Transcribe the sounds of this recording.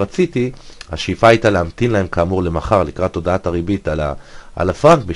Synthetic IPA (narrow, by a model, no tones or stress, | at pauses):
at͡sitiha̰ʃefaːjtaleamt̪inlae̞mkaːmuʁle̞maχaʁlikʁatːo̞daataʁibitala̰ʔa̰lafʁaŋk̚bi